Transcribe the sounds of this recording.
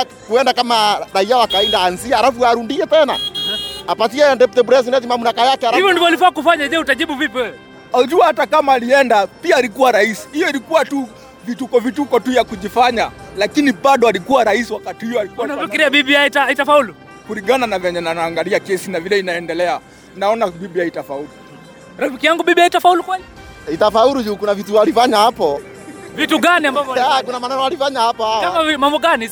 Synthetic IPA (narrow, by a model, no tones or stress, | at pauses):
kuɛndakamaɾahiawakaɛndaaːnziahalafuaɾundiɛtɛna̰apat̬iɛndɛptɛbuɾɛs̬inɛtimamunakajakɛhalaivɔndivɔalifaɲakufaɲaʄɛutaʄiɓuvipiɛ | auʄuahatakamaːliɛndapiaːlikuwaɾaisi̥hijɔilikuwatu | vitukɔvitukɔtujakuʄifaɲalakiniɓaɗɔalikuwaɾaisiwakatihujɔalikuwanfikiɾiaɓiɓiaitaitafaulu | kuɾiɡananavɛɲɛnanaːŋɡaliakɛsinavilɛinaɛndɛlɛa | naɔnaɓiɓiaitafaulu | ɾafikijaŋɡuɓiɓiaitafaulukwɛli | itafauɾuʄuːkunavitualifaɲahapɔ | vituɡaniambavɔakunamanɛnɔalifaɲahapahawkamavmambɔɡani